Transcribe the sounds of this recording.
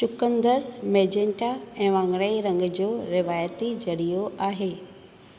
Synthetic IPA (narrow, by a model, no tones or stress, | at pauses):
t͡ɕʊkə̃nd̪əɾmeːd͡ʑeɳʈaɛ̃ːʋãːŋɾəiɾɐ̃ŋɡd͡ʑoːɾɪʋaːjət̪id͡ʑɐɾijoʔaːɦeː